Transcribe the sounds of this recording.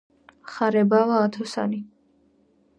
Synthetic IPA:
χaɾɛbavaːt̪ʰɔsa̰ni

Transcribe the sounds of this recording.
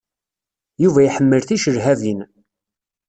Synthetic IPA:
juvæjiħəmːəlθiʃəɾɦævin

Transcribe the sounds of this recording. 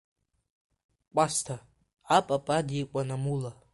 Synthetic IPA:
kʷʼastʰa | apʼapʼadikʷʼanamula

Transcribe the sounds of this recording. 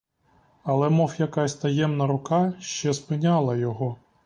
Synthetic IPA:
ɐlˠɛmɔwjɐkɑsʲt̪ɐjɛmnɐɾʊkɑʃt͡ʃɛspɪnʲɑlˠɐjɔɦɔ

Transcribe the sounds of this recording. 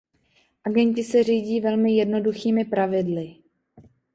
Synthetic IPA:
ʔaɡɛɲcɪsɛr̝iːɟiːvɛlmɪjɛdno̞duxiːmɪpɾavɪdlɪ

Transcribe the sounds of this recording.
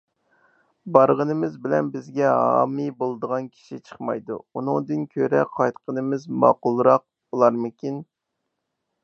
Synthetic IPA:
bɑɾʁənɨmɪzbɪlɛnbɪzɡʲɛɦɑ̰ːmibolˠd̪əʁɑnkʲʰi̥ʃit͡ʃʰə̥χmɑ̰jd̪ṵunɨŋd̪ɨnkʲʰøɾɛqʰɑjt̪qʰənɨmɪzmɑ̰ːqʊlˠɾɑq̚bulˠɑɾmɨkʲin

